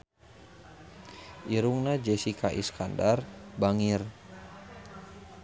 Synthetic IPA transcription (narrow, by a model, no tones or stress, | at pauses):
ʔiɾuŋnad͡ʒɛsikaʔḭskandarbaŋir